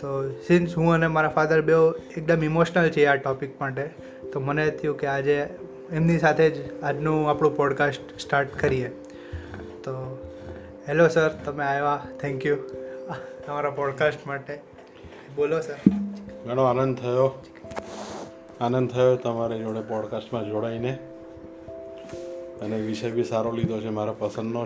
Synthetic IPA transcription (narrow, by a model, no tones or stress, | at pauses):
t̪osɪnsɦũənemaɾafad̪əɾbeoek̚d̪əmimoʃnəlt͡ʃʰeaʈɔpikmaʈe | t̪omənet̪ʰəjũkead͡ʒe | emnisat̪ʰed͡ʒad͡ʒnũapɽ̃ũpɔɖkasʈsʈaɾʈkəɾie | t̪o | ɦɛlosəɾt̪əmeajʋat̪ʰɛ̃ŋkju | əmaɾapɔɖkasʈmaʈe | bolosəɾɡʱəɽ̃oanə̃nd̪̚t̪ʰəjo | anə̃nd̪̚t̪ʰəjot̪əmaɾed͡ʒoɽepɔɖkasʈmãd͡ʒoɽaine | əneʋiʃəjbʱisaɾolid̪ʱot͡ʃʰemaɾapəsə̃nd̪no